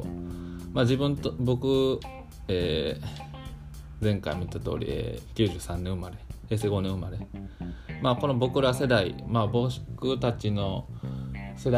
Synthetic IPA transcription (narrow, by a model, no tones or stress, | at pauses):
maːd͡ʑibɯ̟̃nt̪obo̞kɯ̟ | eː | zẽ̞ŋka̰imʲit̪ːat̪o̞̰ːɾʲḭḛːkʲɨ̟ːʑɨ̟ːsãnːẽomaɾe̞he̞ːse̞ːɡo̞nẽomaɾe | maːko̞no̞bo̞kɯ̟ɾase̞d̪aḭmabo̞ɕi̥kɯ̟t̪at͡ɕino̞ | se̞d̪a